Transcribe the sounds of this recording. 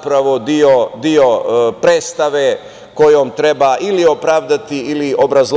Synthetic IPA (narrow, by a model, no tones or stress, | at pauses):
pɾaʋo̞d̪iod̪io̞pɾeːt̪st̪aʋe | ko̞joːmt̪ɾe̞baːʔilio̞pɾaːʋd̪at̪iiliʔo̞bɾazl